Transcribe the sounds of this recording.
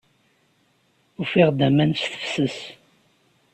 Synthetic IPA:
ufiʁd̪æmænsθə̥fsəs

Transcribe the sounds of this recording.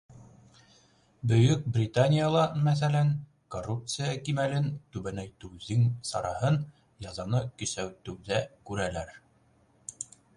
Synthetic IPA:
bɵ̆jɵk̚brʲɪt̪anʲijalˠɑmæθælæn | korːup̚t̪sɨjakimælɘnt̪ʉβænæjt̪ɵwðɘŋsɑ̰ɾɑhɤn | jɑzɑnɤkɵ̆sæwt̪ɵ̆wðækʉɾælæɾ

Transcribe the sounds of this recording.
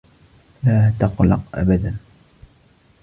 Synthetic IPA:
laːt̪ɑqlɑ̰qʔa̰bad̪an

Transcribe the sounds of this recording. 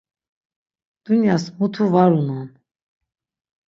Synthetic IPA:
d̪̥unjasmut̪ʰuvaɾunɔn

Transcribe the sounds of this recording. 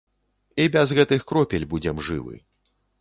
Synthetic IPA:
ibʲɛzɣɛt̪ɨxkɾɔpʲɛlʲbud͡zʲɛmʐɨ̰vɨ̰

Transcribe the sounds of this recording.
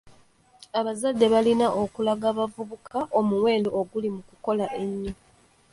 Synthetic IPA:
aβazadːe̞βalinaʔokulaɡaːβavuβukʰaʔo̞muwe̞ːndoːɡulimukuko̞laʔe̞ɲːo

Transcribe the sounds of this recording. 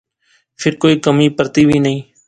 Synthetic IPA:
pʰɪɾkoːiːkəmiːpəɾt̪iːbʱiːnəɦĩː

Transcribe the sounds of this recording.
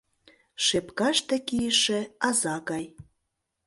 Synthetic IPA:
ʃepkɑʃt̪ĕkijəʃĕɑzɑɣɑj

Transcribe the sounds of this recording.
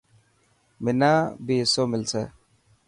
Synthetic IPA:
mɪnabesomɪlse

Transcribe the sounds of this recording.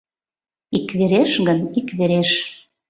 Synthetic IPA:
ikβeɾeʃɣənikβeɾeʃ

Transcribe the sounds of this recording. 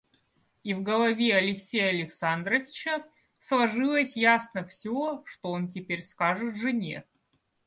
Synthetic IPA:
ivɡəlˠɐvʲeɐlʲɪksʲejəɐlʲɪksand̪ɾəvʲɪt͡ɕə | slˠɐʐɨlˠəsʲjasnəfsʲoʂt̪oontʲɪpʲeɾʲskaʐɨt̪ʐɨnʲḛt̪̚

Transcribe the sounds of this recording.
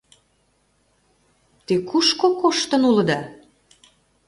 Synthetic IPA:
t̪ikuʃkokoʃt̪ə̆nulɤ̆d̪ɑ

